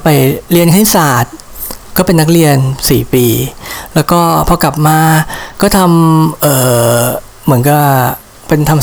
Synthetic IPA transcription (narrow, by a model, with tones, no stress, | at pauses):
pa˨˩jli˧ənkʰa˥˩jsaː˨˩t̪̚ | kɔː˥˩pe˧nːa˦˥k̚ɾi˧ənsiː˨˩piː˧lɛː˦˥wkɔː˥˩pʰɔ˧ka˨˩p̚maː˧kɔː˥˩t̪ʰa˧mʔɤː˨˩ | mɯ˩˦ənka˧˩ | pe˧nt̪ʰa˧m